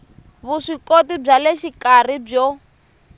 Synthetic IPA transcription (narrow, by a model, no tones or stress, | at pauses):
βuʂikotib͡ʐalɛʃikar̤ib͡ʐɔ